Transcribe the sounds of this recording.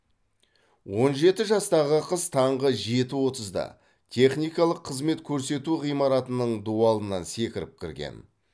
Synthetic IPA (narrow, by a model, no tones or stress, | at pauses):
wo̞nʒe̞t̪ɪʒɑst̪ɑʁəqʰəst̪ʰɑɴʁəʒe̞t̪ɪwo̞t̪əzd̪ɑ̰ | t̪ʰe̞χnijkɑlˠəqʰːəzme̞t̪kʲʰɵɾse̞t̪uʁijmɑɾɑt̪ənəɴd̪uɑlˠənɑnse̞kʲɪɾɪp̚kʲʰɪɾɡʲḛn